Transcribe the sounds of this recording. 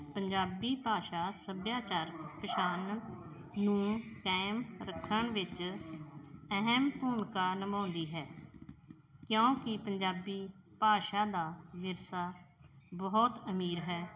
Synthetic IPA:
pəɲd͡ʒaːbiːpaːʃaːsəbjaːt͡ʃaːɾpəʃaːnː | ũːkɛːmɾəkʰːəɳʋɪt͡ʃ | əɦəmpuːmkaːnəmãːnd̪iːɦɛː | kjõːkɪpəɲd͡ʒaːbiː | paːʃaːd̪aːʋɪɾsaː | bɔːɔt̪əmiːɾɦɛː

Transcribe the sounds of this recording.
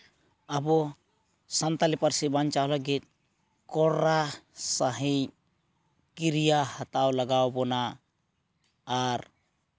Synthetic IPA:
abɔ | sant̪alipaɾsibant͡ʃawlaɡit̪̚ | kɔɾɾasaɦi | kiɾijahat̪awlaɡawbɔna | ɾ

